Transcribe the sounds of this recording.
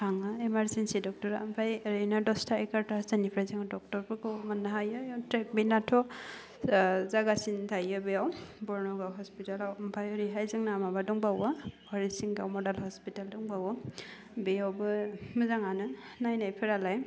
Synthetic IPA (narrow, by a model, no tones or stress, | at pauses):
kʰaŋɯemaɾzensidɔk̚tɔɾa̰mpʰajɾejnadɔstʰaekaɾtasanipʰɾajzɯŋdɔk̚tɔɾbɯɡɯwmanːaɦajɯjɔtɾek̚binːatʰɔ | zaɡasintʰajɯbejawbɔɾnɔɡawɦɔspitalawmpʰajɔɾiɦajzɯŋnamabadɔŋbawahaɾisiŋɡawmɔdalhɔspitaldɔŋbawɯ | beawbɯmɯzaŋanɯnajnajpʰeɾalaj